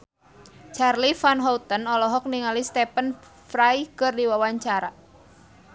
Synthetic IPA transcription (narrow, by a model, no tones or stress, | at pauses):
t͡ʃarlifanɦɔt̪ənɔlɔɦɔk̚niŋalist̪ɛpən | fɾajkɨrdiwawaɲt͡ʃaɾa